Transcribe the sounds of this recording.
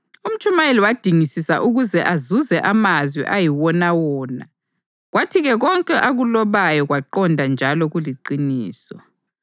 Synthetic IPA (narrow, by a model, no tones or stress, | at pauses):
um̩t͡ʃʼumajeliwad̥ʱiŋisisa̰ʔuɣuzɛʔazuzɛʔamazwḭʔajiwɔnawɔːna | ɣwatʰiɣɛɣɔŋkʼɛʔaɣulɔβajɔɣwaǃɔndʱand͡ʒʱalɔɣuliǃiniːsɔ